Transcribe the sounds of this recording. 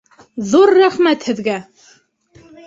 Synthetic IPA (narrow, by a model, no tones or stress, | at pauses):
ðuɾːæχmæt̪hɘ̆ðɡæ